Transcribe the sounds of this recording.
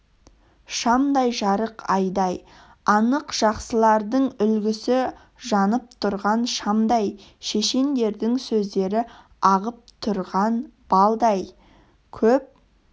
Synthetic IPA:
ʃɑmd̪ɑjʒɑɾəqɑjd̪ɑj | ɑnəqʒ̥ɑqsəlˠɑɾd̪əɴʏlɡʲɪsɪ | ʒɑnəp̚t̪ʰʊɾʁɑnʃɑmd̪ɑjʃe̞ʃe̞nd̪e̞ɾd̪ɪŋsɵzd̪e̞ɾɪ | ɑʁəp̚t̪ʰʊɾʁɑnb̥ɑlˠd̪ɑj | kʲʰɵp̚

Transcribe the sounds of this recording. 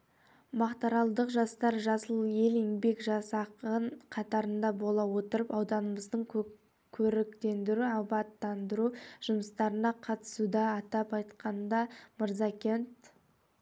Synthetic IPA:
mɑqt̪ɑɾɑlˠd̪əqʒɑst̪ɑɾʒɑsəlˠje̞leŋbe̞kʒɑsɑqəɴqʰɑt̪ɑɾənd̪ɑbo̞lˠɑwo̞t̪əɾəpɑwd̪ɑnəməzd̪əɴ | kʲʰɵɾɪkt̪e̞nd̪ɪɾuɑbɑt̪ːɑnd̪əɾuʒ̥ʊməst̪ɑɾənɑqʰɑt̪ə̥sud̪ɑːt̪ɑpɑjt̪qɑnd̪ɑməɾzɑkʲent̪

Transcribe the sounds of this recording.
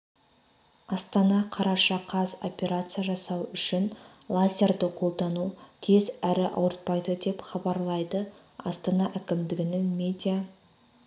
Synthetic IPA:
ɑst̪ɑnɑqʰɑɾɑʃɑqʰɑzo̞̰pʲe̞ɾat̪sɨjaʒɑsɑwʏʃɪn | lˠazʲe̞rd̪əqʰo̞lˠd̪ɑnut̪ʰezæɾɪʔɑ̰wəɾt̪̚pɑjd̪əd̪e̞pχɑbɑɾlˠɑjd̪ə | ɑst̪ɑnɑʔækʲɪmd̪ɪɡʲɪnɪŋmʲe̞d̪ʲija

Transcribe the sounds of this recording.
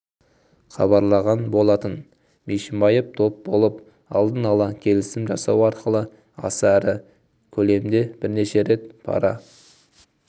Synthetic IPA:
χɑ̰βɑɾlˠɑʁɑnbo̞lˠɑt̪ən | meʃɪmbɑjəp̚t̪ʰo̞p̚bo̞lˠəp | ɑlˠd̪ənɑlˠɑkʲʰe̞lɪsɪmʒɑsɑwɑɾqəlˠə | ɑ̰sæɾɪ | kʲʰɵle̞md̪e̞b̥ɪɾne̞ʃe̞ɾe̞t̪pʰɑ̰ɾɑ̰

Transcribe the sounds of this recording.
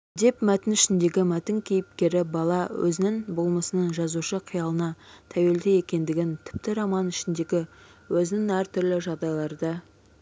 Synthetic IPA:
d̪e̞pmæt̪ɪnɪʃɪnd̪e̞ɡʲɪmæt̪ɪŋkʲʰe̞jɪpkʲe̞ɾɪbɑlˠɑwʔɵ̰zɪnɪŋbo̞lˠməsənəɴʒɑzuʃəqʰijɑlˠənɑt̪ʰæwe̞ld̪eje̞kʲe̞nd̪ɪɡʲɪnt̪ʰɪ̥p̚t̪ɪɾɑmɑnɪʃɪnd̪e̞ɡʲɪ | wɵzɪnɪŋæɾt̪ʰʏɾlɪʒɑʁd̪ɑjlˠɑɾd̪ə

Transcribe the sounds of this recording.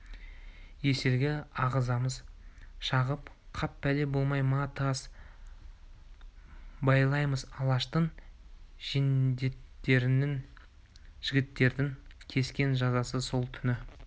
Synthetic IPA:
je̞se̞ɾɡʲɪɑʁəzɑməzʃɑʁəp | qʰɑpːæle̞bo̞lˠmɑjmɑt̪ɑs | bɑjlˠɑjməzɑlˠɑʃt̪əɴ | ʒ̥end̪etːeɾnɪŋ | ʒ̥ɪɡʲɪt̪ːe̞ɾd̪ɪŋkʲʰe̞skʲe̞nʒɑzɑsəso̞lˠt̪ʰʏnɪ

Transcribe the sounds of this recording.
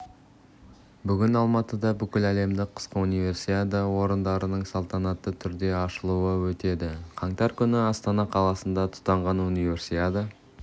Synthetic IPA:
bʏɡʲɪnɑlˠmɑt̪əd̪ɑbʏkʲɪlæle̞md̪ɪqʰə̥sqəunijvʲe̞ɾsiad̪əwo̞ɾənd̪ɑɾənəɴsolˠt̪ɑnɑt̪ːət̪ʰʏɾd̪e̞ɑʃəlˠuəwɵt̪e̞d̪ɪqʰɑɴt̪ɑɾkʲʰʏnɪɑst̪ɑnɑqʰɑlˠɑsənd̪ɑt̪ʰʊ̥t̪ːɑɴʁɑnunijvʲe̞rsiad̪ə

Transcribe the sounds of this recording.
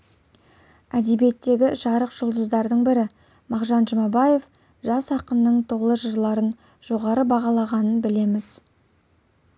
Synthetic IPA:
æd̪e̞be̞t̪ːe̞ɡʲɪʒɑɾəqʒ̥ʊlˠd̪əzd̪ɑɾd̪əɴbɪɾɪ | mɑʁʒɑnʒəmɑbɑje̞f | ʒɑsɑqənːəɴt̪ʰo̞lˠəʒəɾlˠɑɾən | ʒ̥o̞ʁɑɾəbɑʁɑlˠɑʁɑnənbɪle̞mɪz̥

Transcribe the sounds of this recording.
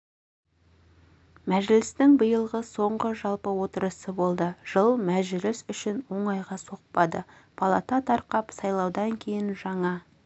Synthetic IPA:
mæʒlɪst̪ɪŋbəjəlˠʁəso̞ɴʁəʒɑlˠpəwo̞t̪əɾəsəbo̞lˠd̪əʒ̥əlˠmæʒɪlɪsʏʃɪnwo̞ɴɑjʁɑso̞q̚pɑd̪ə | pʰɑlˠɑ̰t̪ɑt̪ʰɑɾqɑpsɑjlˠɑwd̪ɑŋkʲʰe̞jɪnʒɑɴɑ

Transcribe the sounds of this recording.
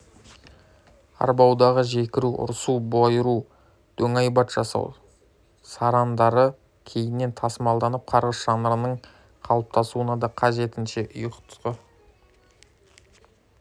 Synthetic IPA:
ɑ̰ɾbɑwd̪ɑʁəʒe̞kʲɪɾuʔʊ̰ɾsubojɾu | d̪̥ɵŋɑjbɑt̪ʒ̥ɑsɑ̰w | sɑɾɑnd̪ɑɾə | kʲʰe̞jɪnːe̞nt̪ʰɑsəmɑlˠd̪ɑnəp̚qʰɑɾʁəzʒ̥ɑnəɾənəɴ | qʰɑlˠəp̚t̪ʰɑsuənɑd̪ɑqʰɑʒe̞t̪ɪnʃe̞ʔʊjəqt̪ʰʊ̥ʁə

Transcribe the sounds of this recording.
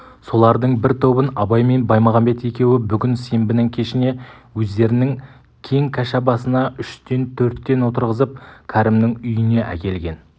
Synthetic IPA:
so̞lˠɑɾd̪əɴbɪɾt̪ʰo̞bənɑbɑjme̞nbɑjmɑʁɑmbe̞t̪je̞kʲe̞wɪbʏɡʲɪnse̞mbɪnɪŋkʲʰe̞ʃɪne̞wɵzd̪e̞ɾɪnɪŋ | kʲʰe̞ŋkʲʰæʃæbɑsənɑʔʏʃt̪e̞nt̪ʰɵɾt̪ːe̞nwo̞t̪əɾʁəzəp̚kʲʰæɾɪmnɪŋʏjɪne̞ʔæ̰kʲe̞lɡʲe̞n

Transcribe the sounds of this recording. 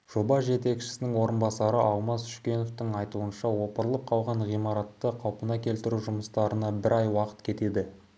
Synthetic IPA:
ʒ̥o̞bɑsʒe̞t̪e̞kʃɪ̥sɪnɪŋwo̞ɾənbɑsɑɾəʔɑlˠmɑsʏ̥ʃkʲe̞no̞ft̪ɪŋɑjt̪uənʃɑwo̞pəɾəlˠəp̚qʰɑlˠʁɑɴʁijmɑɾɑt̪ːəqʰɑwpənɑkʲʰe̞lt̪ɪɾuʒʊməst̪ɑɾənɑbɪɾʔɑjwɑqə̥t̪kʲʰe̞t̪e̞d̪ɪ

